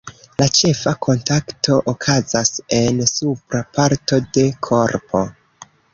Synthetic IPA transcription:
lat͡ʃe̞fakʰo̞ntaktʰo̞ʔokʰazase̞nsupɾapaɾto̞de̞kʰo̞ɾpʰo̞

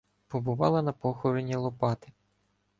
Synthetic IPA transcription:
pɔbʊʋɑlˠɐnɐpɔxɔɾenʲːilˠɔpɑt̪ɪ̥

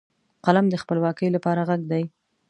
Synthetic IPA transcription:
qalamd̪əxpəlwɑkəjlapɑɾaɣaɡd̪aj

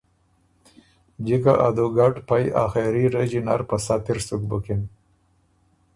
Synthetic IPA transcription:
d͡ʒikaʔad̪oɡaʈpaja̰xeɾiɾed͡ʒinaɾpasat̪iɾsukbukin

